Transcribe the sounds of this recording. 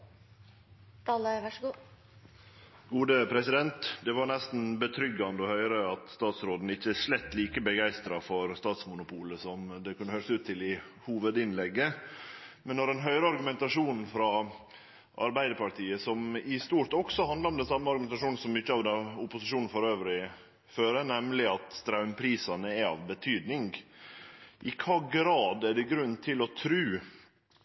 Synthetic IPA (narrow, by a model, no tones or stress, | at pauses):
t̪ʰɑːləʋɑʂɡuː | ɡ̥uːd̪əpʰɾɛsɪd̪ɛnt̪d̪ɛʋɑɳɛst̪n̩bət̪ʰɾʏɡɑnd̪əɔhœʏɾəɑt̪st̪ɑːt̪sɾoːd̪n̩ɪçːəæʂlɛt̪ːliːkəbəɡæɪst̪ɾɑfɔɾst̪ɑːt̪smʊnʊpʰuːləsɔmd̪ɛkʰʉnːəhœʏɾsʉːt̪ʰːɪlɪ | huːʋəd̪ɪnlɛɡːə | mɛnːɔɾɛnɦœʏɾəɑɾɡʉmɛnt̪ɑʂuːnn̩fɾɑ | ʔɑ̰ɾbæɪd̪əɾpɑʈ̪ʰiːəsɔmɪst̪uːʈɔksɔhɑnd̪lɑɾɔmd̪ɛnsɑmːəɑɾɡʉmɛnt̪ɑʂuːnn̩sɔmːʏçːəɑːʋd̪ɛʊpʊsɪʂuːnn̩fɔɾøːʋɾɪ | føːɾənɛmlɪɑt̪st̪ɾɑʉmpʰɾiːsɑnəɛɑ̰ʋbət̪ʰyːd̪nɪŋɡ | ʔɪkʰɑːɡɾɑːd̪æɖɛɡɾʉnːt̪ʰɪlɔt̪ʰɾʉː